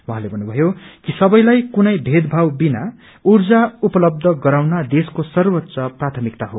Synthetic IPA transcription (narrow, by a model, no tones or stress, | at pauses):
wuɦãlebʱʌnːubʱʌjokisʌbʌjlajkunʌjbʱed̪bʱawbina | urd͡zaupʌlʌb̚d̪ʱʌɡʌɾawnad̪eskosʌrwʌtːsʌprat̪ʰʌmikt̪aɦo